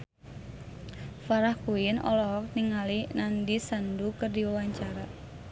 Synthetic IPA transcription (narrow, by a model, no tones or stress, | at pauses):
faɾahkuinɔ̰lɔɔk̚niŋalinandisandukərdiwawaɲt͡ʃaɾa